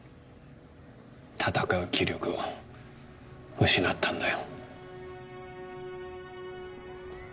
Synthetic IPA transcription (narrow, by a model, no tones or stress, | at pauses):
t̪ʰat̪akaɯkʲʰiɾʲjoɡɯ | hɯɕinat̪ʰːand̪ajo